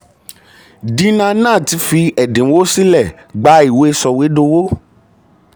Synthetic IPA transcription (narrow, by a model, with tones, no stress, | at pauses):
dĩ˦nã˧nãː˦˨ti˨˧˦fi˧ɛ˨dẽ˨˦wo˦si˦lɛ˦˨ | ɡ͡ba˨˦i˦˨we˨˦˧sɔ˧we˨˦do˧wo˦